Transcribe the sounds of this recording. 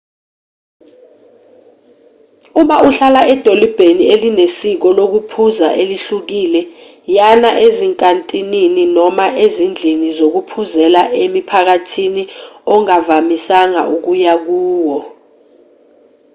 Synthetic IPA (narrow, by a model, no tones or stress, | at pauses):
umaʔuɬalaʔɛd̥ʱolib̥ʱenielinesik̬ɔlok̬upʰuzaʔeliɬuk̬ilɛ | janaʔeziŋkʼantʼinininɔmaʔezind͡ɮʱinizok̬upʰuzɛlaʔemipʰak̬atʰiniɔŋavamisaŋa̰ʔuk̬ujak̬uːwɔ